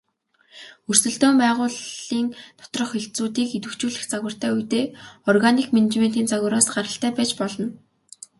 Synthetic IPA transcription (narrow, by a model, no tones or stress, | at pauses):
ɵr̥sɵ̆ɮt̪oːmpæːʁʊːɮiːnt̪ʰɔ̥t̪rɞ̆χxeɬt͡suːt̪iːket̪wɘ̆kt͡ɕuːɮɘ̆xt͡saɣwə̆r̥t̪ʰæːujt̪eːɔrɣanikmenet͡ɕmen̥t̪iːnt͡saɣə̆ɾaːsɢaɾə̆ɬt̪æːpæːt͡ɕpɔɮɞ̆n